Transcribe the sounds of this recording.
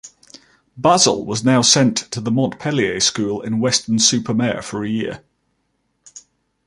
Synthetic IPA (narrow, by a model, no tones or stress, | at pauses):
b̥azə̰lˠwɒznaʊsɛ̃ntʰəðəmɒ̃nʔpʰɛlieɪskuːlɪ̰̃nwɛstənsʉˑpʰəmɛəfəɹəjɪə